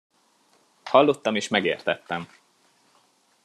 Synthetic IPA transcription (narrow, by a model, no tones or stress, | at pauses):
hɒlːo̞t̪ːɒmeːʃmɛɡḛːrt̪ɛt̪ːɛm